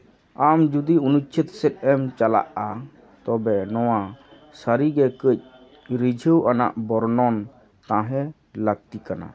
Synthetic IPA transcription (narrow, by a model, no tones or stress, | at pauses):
amd͡ʒud̪iunut͡ʃʰit̪sɛt̪̚ɛmt͡ʃala̰ʔa | t̪ɔbɛnɔwa | səɾiɡɛkəc̚ˀ | ɾid͡ʒʱəwʔana̰ʔbɔɾnɔn | t̪ãɦɛ | ləɡ̚t̪ikana̰